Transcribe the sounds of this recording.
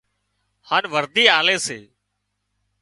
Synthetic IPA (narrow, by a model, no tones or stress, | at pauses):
haːnʋəɾd̪iːaːleːsḛː